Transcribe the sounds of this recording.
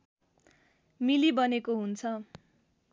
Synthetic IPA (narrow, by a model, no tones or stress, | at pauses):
milibʌnekoɦunt͡sʰʌ